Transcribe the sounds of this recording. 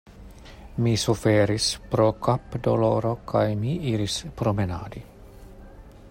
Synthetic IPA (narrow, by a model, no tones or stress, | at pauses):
misufeɾispɾo̞kapdolo̞ɾo̞kʰajmiʔiɾispɾomena̰ːd̪i